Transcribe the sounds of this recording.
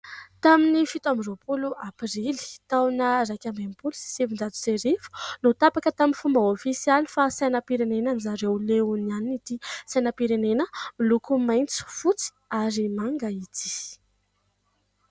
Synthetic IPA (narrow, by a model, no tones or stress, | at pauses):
t̪aminifit̪amropuluapɾili̥t̪awnəɾakʲambempulisi̥sivinɖ͡ʐat̪u̥seɾifu̥not̪apakət̪aminfumbəofisijalifasajnapiɾenenanizaɾeuleunianinit̪isajnapiɾenenəmilukumajnt͡su̥fut͡si̥aɾimaŋɡait̪i̥